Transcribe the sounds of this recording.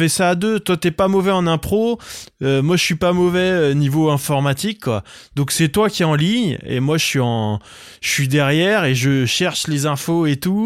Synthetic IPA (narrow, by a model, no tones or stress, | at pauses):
fɛsaːd̪øt̪wat̪yɛpamɔvɛɑ̃nɛ̃pχoømwaʒəsɥipamɔvɛønivoɛ̃fɔʁmat̪ikːwa̰d̪̥ɔ̃ksɛt̪wakʲiɛɑ̃liɲḛmwaʒəsɥiɑ̃ | ʒəsɥid̪ɛʁjɛʁeʒəʃɛʁʃlezɛ̃foet̪u